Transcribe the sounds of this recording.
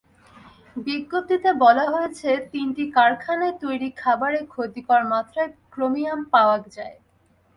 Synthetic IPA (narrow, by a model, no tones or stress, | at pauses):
biɡːop̚t̪it̪ebɔlaɦojet͡ɕʰet̪inʈikaɾkʰanat̪ojɾikʰabaɾekʰod̪ikoaɾmat̪ːɾaekɾomiampaoakd͡ʑae